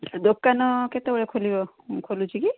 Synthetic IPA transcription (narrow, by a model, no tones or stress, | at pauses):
d̪okːanɔket̪ebɔɭekʰolibɔ | kʰolut͡ʃʰiki